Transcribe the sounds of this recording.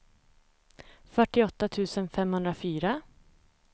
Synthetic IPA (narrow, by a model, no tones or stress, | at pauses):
fœʈɪɔt̪ːat̪ʰʉ̟ːsənfɛmhɵnd̪ɾafyːɾa